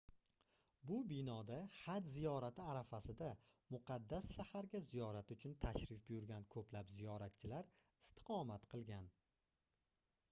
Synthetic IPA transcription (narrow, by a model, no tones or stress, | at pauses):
bʊbɪnɒd̪aχad͡ʒ̪zijɒɾat̪ʰɪaɾafasɪd̪amʊqʰɑd̪ːasʃahaɾɡʲazijɒɾat̪ʊt͡ʃʰʊnt̪ʰaʃɾɪfbʊjʊɾɡʲankʰɵplapzijɒɾat̪̚t͡ʃʰɪlaɾ | ɪst̪ʰɪ̥qʰɒmat̪qʰɨlˠɡʲan